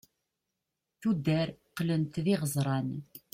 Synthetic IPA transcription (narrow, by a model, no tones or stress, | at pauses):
θud̪ːæɾqlənt̪ðiʁəzˤɾˤɑn